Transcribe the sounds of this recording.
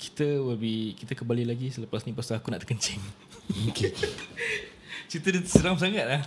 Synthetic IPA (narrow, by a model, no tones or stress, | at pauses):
kʰi̥t̪əwəbihkit̪əkəmbalilaɡisələpasnĩpəst̪aːkunaʔt̪əkəɲt͡ʃɛŋ | oke | t͡ʃit̪ədəsəɾams̬aŋat̪̚lah